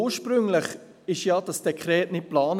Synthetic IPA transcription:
uːəʃpɾʏŋlɪχ | ɪʃjɑːd̥ɑsd̥ɛkχɾɛːtnɪt̚plɑːn

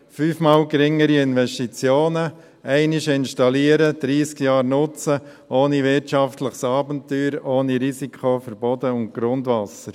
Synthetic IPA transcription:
fyːfmɑːlɡɾɪŋəɾiɪnvɛʃtit͡sjoːnə | ɛɪnɪʃɪnʃtɑliəɾəd̪̥ɾiːskjɑːɾnʊt͡sə | ʔoːniʋɪɾtt͡ʃɑftləχsɑːbəntːyːɾoːniɾisikʰχofəɾb̥ɔdəʊnt̚ɡ̥ɾʊndʋɑsəɾ

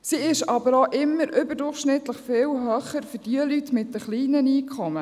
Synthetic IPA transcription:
siɪʃɑbəɾoʔɪmːəɾʏbəɾdʊrχʃnɪt̪ləχfɪːlɦœːχəɾfʏd̥iəlytmɪt̚dəχliːnəniːkʰχɔmə

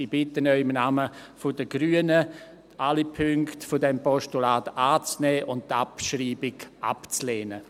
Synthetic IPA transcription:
ib̥ɪtənœʏɪmnaməfʊdəɡ̥ɾyːənə | ʔalipʰʏŋktfodɛmpɔʃtulaːtaːt͡snɛːʔʊnt̚tapʃriːbɪɡa̰pt͡sleːnə

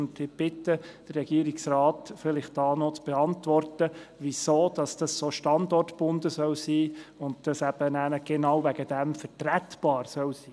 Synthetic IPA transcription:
ndɪb̥ɪtəd̥ərːɛɡiːɾɪksrɑːtfɪlɪχt̚d̥ɑːnɔt͡sb̥ɛɑntvʋɔrtəʋisoːd̥ɑsd̥ɑsːoʃtɑndɔrtb̥ʊndəsœlsiːʊnd̚d̥ɑsæb̥ənæːnəɡ̥enɑwvæɡ̥ədæmfɛtɾætb̥ɑːɾsœlsiː

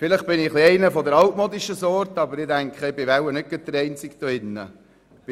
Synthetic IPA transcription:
fɪləχ̚b̥ɪnɪχliɛɪnəfɔd̪əɾɑwtmoːd̪iʃəsɔːɾtɑbəɾɪdæŋkχəɪbɪʋæwənɪt̚ɡ̥əd̪əɾɛɪnt͡sɪkd̥̪ɔɪnːə̰ | b̥

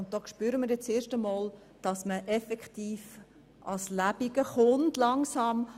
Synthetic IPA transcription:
ʊnt̚d̥ɔːkʃpyːɾəmɪːɾjɛt͡st͡seːɾʃtəmɔːl | d̥ɑsməʔɛfɛkχtiːf | ʔɑslæbiɡ̥əχʊntlɑŋsɑm

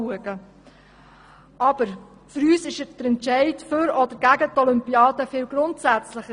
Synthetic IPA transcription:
uəɡə | ʔɑb̥əɾ | fʏɾyːsɪʃəd̥əɾɛntʃɛɪtfʏɾɔd̪əɾɡ̥æɡətɔlʏmpiɑːd̥əfɪːlɡɾʊntsæt͡slɪχə

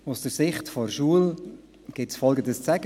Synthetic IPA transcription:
ʊsd̥əɾsɪχtfɔrʃuəl | ɡ̥ɪtsfɔlˠɡəndəst͡sæɡ

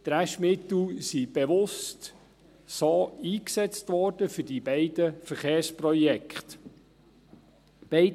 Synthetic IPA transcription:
t̪ɾæʃmɪt̪l̩sib̥eʋʊst | soːiːksɛt͡st̪ʋɔːɾd̥əfʏdibɛɪd̥əfəɾχeːɾsprɔjɛkχt̪ | b̥ɛɪ

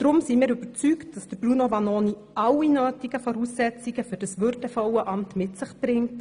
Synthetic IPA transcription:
d̥ɾʊmsimiːɾyb̥əɾt͡syktd̥ɑsd̥əɾb̥runovɑnoːni | ɑwinøːtiɡ̥əfɔɾusːɛt͡siɡ̥əfʏɾdɑsʋøɾdəfɔwəʔɑmtmɪtsɪχb̥ɾɪŋt

